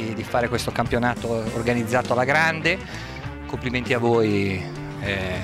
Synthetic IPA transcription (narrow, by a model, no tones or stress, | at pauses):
d̪ifaːɾekwest̪okampjonaːt̪oːrɡanid̪zːaːt̪oalaɡɾand̪e | kompliment̪iavːoːj | ɛ